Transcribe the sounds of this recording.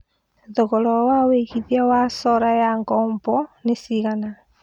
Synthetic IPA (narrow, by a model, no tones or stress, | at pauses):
ðoɣɔlɔwaweihiðiawasɔɾajaŋɡɔːmbɔnesiɣana